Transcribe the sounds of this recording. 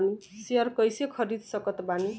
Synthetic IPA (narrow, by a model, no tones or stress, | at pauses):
niseʌrkʌjsekʰʌɾid̪sʌkʌt̪bani